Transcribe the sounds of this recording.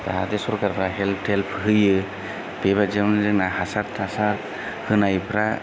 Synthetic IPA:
taɦadɛsɔɾkaɾpʰɾaɦɛlpʰtelpʰɦɯjɯ | bebad͡ʒemnzɯk̚nahasaɾtʰasaɾ | hɯnajpʰɾa

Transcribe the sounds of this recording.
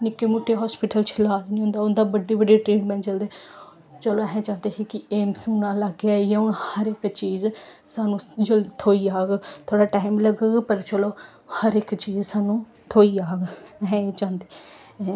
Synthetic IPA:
nɪkːeːmʊːʈʰːeːɦɔːspɪʈəlt͡ʃʰəlaːd͡ʒnĩɦõnd̪aːʊnd̪aːbəɖiːbəɖeːʈɾeːɖmɛ̃ːɳʈt͡ʃəld̪eː | t͡ʃəloːɦɛ̃ːt͡ʃãːnd̪eːɦekɪeːmsʊnãːlaɡaːjãʊnhəɾɪkt͡ʃiːzsaːnũːd͡ʒəlt̪ʰoːiːaːɡt̪ʰoːɽaːʈaːɪmləɡəɡpəɾt͡ʃəloː | həɾɪkt͡ʃiːzsaːnũː | t̪ʰoːiːaːɡɦɛ̃ːt͡ʃãːnd̪eː

